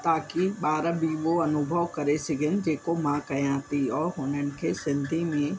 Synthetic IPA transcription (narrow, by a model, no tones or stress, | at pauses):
t̪aːkiɓaːɾabiːʋoɐnʊbʱəʋkɐɾesɪɡə̃nd͡ʒeːkomãkɐẽãːt̪iɔːɾɦʊːnənɪ̆kʰesɪ̃nd̪ʱimẽ